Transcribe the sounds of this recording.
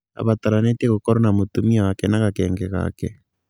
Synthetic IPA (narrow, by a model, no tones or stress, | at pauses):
a̰βataɾaneteɣokɔɾɔnamotumiawakɛnaɣakɛːŋɡɛɣa̰kɛ